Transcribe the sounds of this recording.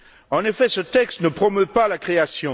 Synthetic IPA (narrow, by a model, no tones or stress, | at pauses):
ɑ̃nefɛsət̪ɛkst̪nəpχɔmøpalakχeasjɔ̃